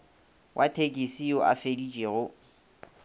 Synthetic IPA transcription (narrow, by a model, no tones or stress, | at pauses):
wʔatʰekʼisiɔʔa̰fedit͡ʃʼeɣʊ